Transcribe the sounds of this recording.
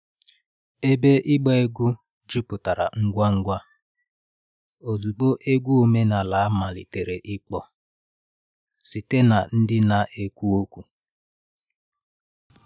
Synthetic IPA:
e˦be˦ʔɪ˦ɡ͡bɔ˦e˦ɡu˦ | d͡ʒu˦pʊ˨ta˨ɾa̰˨ŋ̩˦ɡʷa˦ŋ̩˦ɡʷa˦ | o˨zu˨ɡ͡bo˦ʔe˦ɡʷu˦o˨me˦na˨la˨a˦ma˨lɪ̰˨te˨ɾe˨ʔɪ˦k͡pɔ˨ | si˨te˦na˨n̩˦dɪ˦na˨ʔe˨kʷu˦o˦kʷu˨

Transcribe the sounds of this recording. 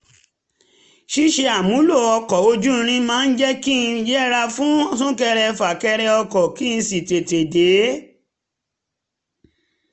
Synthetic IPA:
ʃi˦ʃe˧a˨mũ˨˦lo˦˨ɔ˧kɔ˨o˧d͡ʒũ˦˧ɾ̃ĩ˧mãː˦˧n̩˦d͡ʒɛ˦kĩ˦˨˧jɾa˧fũ˦sũ˦kɛ˧ɾɛ˧fa˨kɛ˧ɾɛ˧ɔ˧kɔ˨ki˦ñ̩˧si˨te˨te˨de˨˦

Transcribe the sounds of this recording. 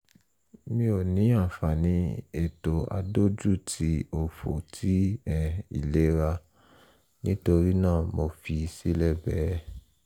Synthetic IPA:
mĩ˦o˨nĩ˨˦a˦˨fa˨nĩ˧e˨to˨a̰˧do˦d͡ʒu˦˨tʰi˧˦o˨fo̰˨tʰi˨˦ɛ˦˨ḭ˨le˨˦ɾa˧ | nĩ˦to˧ɾi˦nãː˦˨mo˧fi˧si˦lɛ˦˨bɛ˨˦

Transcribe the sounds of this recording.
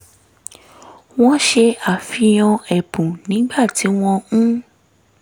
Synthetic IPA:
w̃ɔ̃˦ʃe˧a˨fi˧j̃ɔ̃˧ɛ˨pũ˨nĩ˨˦ɡ͡ba˦˨ti˨˦w̃ɔ̃˧ũ˦

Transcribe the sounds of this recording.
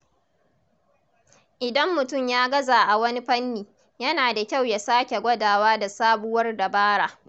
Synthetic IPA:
ʔɪ˨dɐ˦mːʊ˨tʊ˦˨mjaː˦ɡɐ˦zaː˨ʔa˨wɐ˦ni˦ɸɐ˦nːiː˨ | jɐ˦naː˨da˨kʲa˦˨wja˨saː˦kʲe˨ɡʷɐ˦daː˨waː˦da˨saː˦bʊ˦wɐ˦rda˨baː˦ɽaː˨ʔ

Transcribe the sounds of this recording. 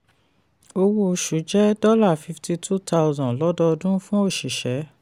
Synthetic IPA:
o˧wo˧˨ʃu˨˦d͡ʒɛ˦dɔ˦la˦˨fi˧fti˧tʰu˦tʰa˦ʊzɔ̃˨lɔ˨˦dɔ˧dũ˦fũ˦o˦˨ʃi˨ʃɛ˨˦

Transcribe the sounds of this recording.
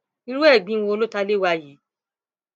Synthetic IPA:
i˧ɾũ˦ɛ˦˨bĩ˦˧õ˧o˧lo˦ta˧le˦˨wa˧ji˨˦

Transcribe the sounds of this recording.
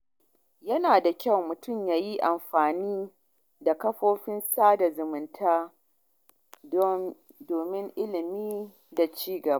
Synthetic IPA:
jɐ˦naː˨da˨kʲɐ˦˨wmʊ˨tʊ˦˨mjaː˦ji˦ʔa˨mɸaː˨niː˦ | da˨kɐ˦ɸoː˦ɸɪ˦nsaː˦da˨zʊ˨mʊ˨ntʰaː˦ | doː˨mɪ˦ŋʔɪ˦lɪ˨miː˦ | da˨t͡ʃiː˦ɡɐ˨ba˦

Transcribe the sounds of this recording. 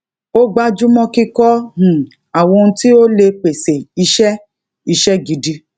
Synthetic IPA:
o˦ɡ͡ba˦d͡ʒu˦mɔ̃˧ki˧kɔ˦h̩˨ | a˨wɔ̃˧nũ˧˦ti˦o˦le˧k͡pe˨se˨i˧ʃɛ˦ | i˧ʃɛ˦ɡi˨˦di˧

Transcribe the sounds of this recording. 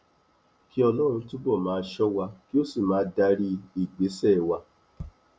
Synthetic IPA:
ki˦ɔ˧lɔ˦ɾ̃ũ˧tũ˦bɔ˦˨mãː˨˦˧ʃɔ˦wa˧ki˦o˦si˦˨mãː˨˦da˧ɾi˧i˦˨ɡ͡be˨˦sɛ˦˨wa˧

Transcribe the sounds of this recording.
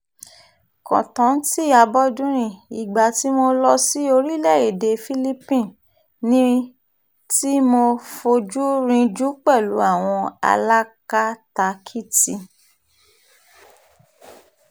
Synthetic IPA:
kɔ̰̃˨tɔ̃˨˦n̩˦ti˦˨a˧bɔ˦dũ˦ɾ̃ĩ˧˨i˨ɡ͡ba˨ti˨˦mo˧lɔ˧si˦o˧ɾi˦lɛ˦˨e˨de˧fi˦li˦pĩ˦˨ | nĩ˦ | ti˦mo˧fo˧d͡ʒu˦ɾĩ˧d͡ʒu˦k͡pɛ˦˨lu˨˦a˦˨w̃ɔ̃˧a̰˧la˦ka˦ta˧kʰi˦ti˧

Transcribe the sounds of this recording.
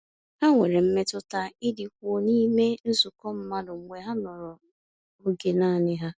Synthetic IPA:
ha˦ŋʷe˨ɾe˨m̩˦me˦tʊ˦ta˦ɪ˦dɪ˨kʷo˦˨niː˦me˦n̩˦sʊ˨kɔ˦m̩˦ma˦dʊ˨ŋ̩˨ŋʷe˨ɦa˦nɔ˨ɾɔ˨ | o˦ɡe˨naː˦˨nɪ˦ɦa˦

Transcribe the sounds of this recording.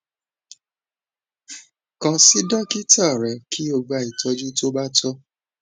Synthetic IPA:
kã˧si˦dɔ˦ki˦ta˦˨ɾɛ˨kʰi˦o˧ɡ͡ba˧i˨tɔ˧˦d͡ʒu˦to˦ba˦tɔ˦

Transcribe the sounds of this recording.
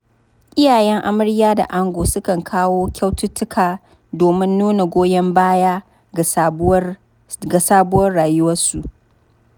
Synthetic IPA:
ʔɪ˦jaː˨jɛ˦ŋʔa˦mɐ˦ɽjaː˦da̰˨ʔa˦ŋɡʷoː˨sʊ˦kɐ˨ŋkʰaː˦woː˦kʲa˦wtʊ˦tːʊ˦kʰaː˨ | doː˨mɪ˦nːuː˦na˨ɡʷoː˦jɛ˦mbaː˦jaː˦˨˦ | ɡa˨saː˦bʊ˦wɐ˦rɽaː˨jʊ˦wɐ˦rsu˨

